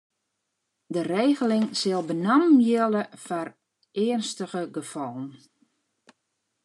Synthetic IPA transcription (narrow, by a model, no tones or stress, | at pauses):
dəreːɣəlɪŋsɪlˠbənammjɪlˠəfar | ɪːənstəɣəɡəfɔlˠən